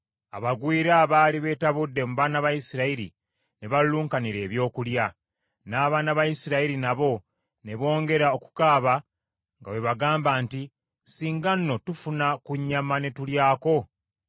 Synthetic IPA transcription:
a̰βaɡwiːɾaβaːliβe̞ːtaβudːe̞muβaːnaβajisiɾaiɾḭ | ne̞βalluːŋkaniɾe̞ːβjo̞ːkulja | naːβaːnaβajisiɾaiɾinaβo̞ | ne̞βo̞ːŋɡe̞ɾao̞ku̥kaːβa | ŋɡawe̞βaɡaːmbaːnti | siːŋɡanːo̞tufunakuɲːamane̞tuljaːko̞

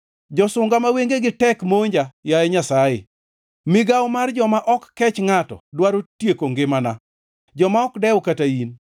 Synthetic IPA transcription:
d͡ʒɔsʊŋɡamaweŋɡeɡɪtɛkmoɲd͡ʒajajɛɲasaɪ̰ | mɪɡawmard͡ʒɔmaʔɔkːɛt͡ʃŋatɔ̰dwaɾotjekoŋɡɪmana | d͡ʒɔmaɔkdɛwʊkatain

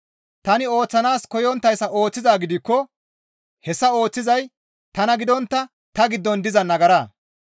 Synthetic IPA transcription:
t̪ɐnɪo̞ːt͡sːɐnaːskɔjɔnt̪ːɐjsɐʔo̞ːt͡sːɪzaːɡɪd̪ɪkːɔ | hɛsːɐo̞ːt͡sːɪzɐj | t̪ɐnɐɡɪd̪ɔnt̪ːɐ | t̪ɐɡɪd̪ːɔnd̪ɪzɐnɐɡɐɾaː

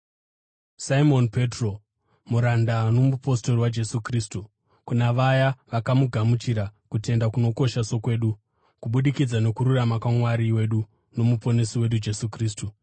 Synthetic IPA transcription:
saimo̞npe̞tro̞ | muɾandano̞mupo̞sto̞riwad͡ʒe̞sukristu | kunaʋajaʋakamuɡʱamut͡ʃiɾakute̞ndakuno̞ko̞ʃaso̞kwe̞ːɗu | kuɓuɗikid͡zano̞kuɾuramakwaŋwaɾiwe̞ɗu | no̞mupo̞ne̞siwe̞ɗud͡ʒe̞sukriːstu

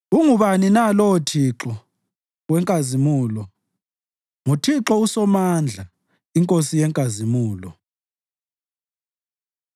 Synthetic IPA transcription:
uŋuβaninalɔwotʰiǁɔ | ɣwɛŋkʼazimuːlɔ | ŋutʰiǁɔusɔmand͡ɮʱa | iŋkʼosijɛŋkʼazimuːlɔ

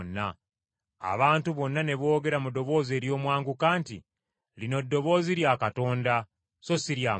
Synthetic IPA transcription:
nːa̰ː | βaːntuβo̞nːane̞βo̞ːɡe̞ɾamudo̞βo̞ːze̞ːɾjo̞ːmwaːŋɡukaːntḭ | lino̞dːo̞βo̞ːziɾjakato̞ːnda | so̞siɾja

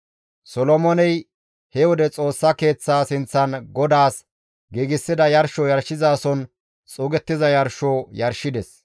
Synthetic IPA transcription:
sɔlɔmɔnɛj | hɛwɔd̪ɛt͡sʼo̞ːsːɐke̞ːt͡sːaːsɪnt͡sːɐnɡɔd̪aːs | ɡiːɡɪsːɪd̪ɐjɐɾʃɔjɐɾʃːɪzaːsɔn | t͡sʼʊːɡɛt̪ːɪzɐjɐɾʃoːjɐɾʃːɪd̪ɛs

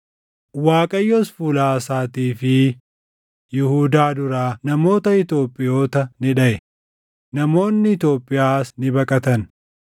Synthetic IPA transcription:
waːkʼɐjːɔsfulaːsaːt̪iːfɪ | jɪhuːd̪aːd̪ʊɾaːnɐmo̞ːt̪ɐɪt̪o̞ːpʼːɪjo̞ːt̪ɐnɪᶑɐʔɛ | nɐmo̞ːnːɪɪt̪o̞ːpʼːɪjaːsnɪbɐkʼɐt̪ɐn

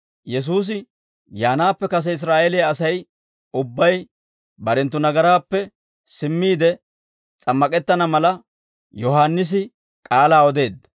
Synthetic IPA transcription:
jɛs̬uːs̬ɪ | jaːnaːpːɛkɐs̬ɛɪs̬ɾaːʔɛlɪjaːsɐj | ʊbːɐj | bɐɾɛnt̪̬ːʊnɐɡɐɾaːpːɛ | sɪmːiːd̪ɛ | t͡sʼɐmːɐkʼɛt̪ːɐnɐmɐlɐ | jɔɦaːnːɪs̬ɪ | kʼaːlaːɔd̪e̞ːd̪ːɐ

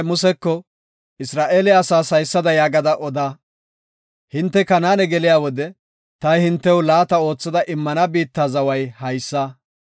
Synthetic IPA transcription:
mʊsɛkːɔ | ɪsɾaːʔeːlɪaːsaːsɐjsːɐd̪ɐjaːɡɐd̪ɐʔɔd̪aː | hɪnt̪ːɛkɐnaːnɛɡɛlɪjaːwɔd̪ɛ | t̪ɐjhɪnt̪ːɛwlaːt̪ɐo̞ːt͡sːɐd̪ɐʔɪmːɐnɐbiːt̪ːaːzɐwɐjhɐjsːɐ

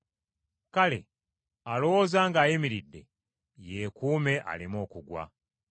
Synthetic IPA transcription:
kale̞̰ | alowozaːŋɡaːjimiɾidːe̞̰ | jekuːme̞ʔa̰limo̞ːkuɡwa̰

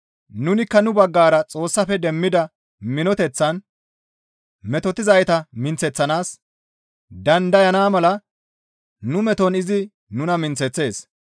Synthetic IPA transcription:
nʊnɪkːɐnʊbɐɡːaːɾɐt͡sʼo̞ːsːɐfɛd̪ɛmːɪd̪ɐ | mɪnɔt̪ɛt͡sːɐn | mɛt̪ɔt̪ɪzɐjt̪ɐmɪnt͡sːɛt͡sːɐnaːs | d̪ɐnd̪ɐjɐnaːmɐlɐ | nʊmɛt̪ɔnɪzɪ | nʊnɐmɪnt͡sːɛt͡sːe̞ːs

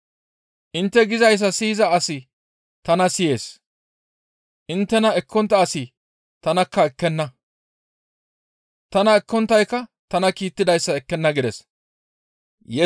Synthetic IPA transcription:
ʔɪnt̪ːɛɡɪzɐjs̬ːɐsiːzɐɐsɪ | t̪ɐnɐsɪje̞̰ːs | ʔɪnt̪ːɛnɐɛkʰːɔnt̪ːɐːsɪ | t̪ɐnɐkːɐɛkːɛnːɐ | t̪ɐnɐɛkːɔnt̪ːɐjkːɐt̪ɐnɐkiːt̪ːɪd̪ɐjsːɐɛkːɛnːɐɡɪd̪ɛs | jɛ

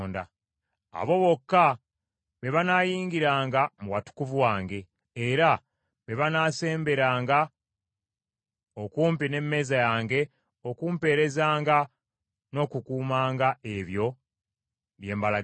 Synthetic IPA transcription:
nda | a̰βo̞βo̞kːa | βe̞βanaːjiːŋɡiɾaːŋɡamuwatu̥kuvuwaːŋɡe̞ː | ɾa | βe̞βanaːse̞ːmbe̞ɾaːŋɡa | o̞kuːmpine̞mːe̞ːzajaːŋɡe̞ | o̞kuːmpe̞ːɾe̞zaːŋɡa | no̞ːkukuːmaːŋɡae̞βjo̞ | βje̞ːmbala

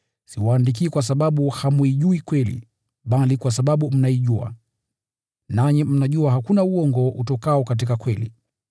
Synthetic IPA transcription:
siwaːndik̬iːkwas̬aɓaɓuhamuiʄuikwɛlḭ | ɓalikwas̬aɓaɓum̩naiʄua̰ | naɲim̩naʄuaɦakunauɔŋɡɔutɔkaɔkat̬ikakwɛlḭ

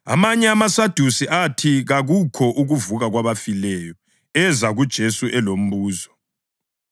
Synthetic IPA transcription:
a̰maɲɛamasad̥ʱusiʔatʰiɣaɣukʰɔʔuɣuvuɣaɣwaβafilɛːjɔ | ɛzaɣud̥ʒ̥ʱesuʔɛlom̩βuːzɔ

